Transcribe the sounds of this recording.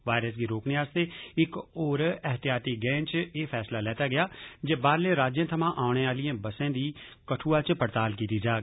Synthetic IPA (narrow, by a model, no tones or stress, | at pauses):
ʋaːjɾəsɡiɾoːkniaːst̪eːɪkoːɾɛɦt̪ɪjaːt̪iɡɛ̃ːnt͡ʃeːfʰɛːslalɛːt̪aːɡɪjaːd͡ʒeːbaːɾleːɾaːd͡ʒjə̃t̪ʰəmãːʔaːʊɽ̃eaːlɪjẽːbəsẽːd̪iː | kəʈʰuːaːt͡ʃpəɾt̪aːlkiːt̪id͡ʒaː